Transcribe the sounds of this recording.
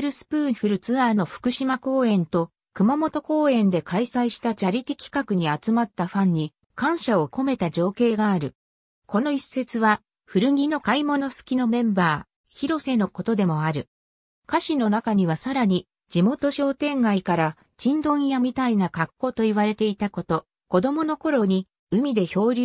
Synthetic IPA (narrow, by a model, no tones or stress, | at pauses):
ɾɯ̟sɨ̥pɯ̃ːɸɯ̟ɾɯ̟t͡sɨaːno̞ɸɯ̟̥kɯ̟ɕimako̞ːẽ̞nt̪o̞ | kɯ̟mamo̞t̪o̞ko̞ːẽ̞nd̪e̞kʰaisaiɕi̥t̪ad͡ʑaɾʲit̪ʲikʲi̥kakɯ̟ɲ̟iat͡sɨmat̪ːaɸãɲ̟ːi | kãɰ̃ɕao̞ko̞me̞t̪ad͡ʑo̞ːke̞ːɡaːɾɯ̟ | ko̞no̞ise̞t͡sɨβa | ɸɯ̟ɾɯ̟ɡʲino̞kaimo̞no̞sɨ̥kʲino̞mẽ̞mbaː | çiɾo̞se̞no̞ko̞t̪o̞d̪e̞mo̞aɾɯ̟ | kaɕino̞nakaɲ̟iβ̞asaɾaɲ̟i | d͡ʑimo̞t̪o̞ɕo̞ːt̪ẽ̞ŋɡaikaɾa | d͡ʑĩnd̪õ̞jamʲit̪ainakakːo̞t̪o̞iβaɾe̞t̪e̞it̪ako̞t̪o̞ | ko̞d̪o̞mo̞no̞ko̞ɾo̞ɲ̟i | ɯ̟mʲid̪e̞ço̞ːɾʲ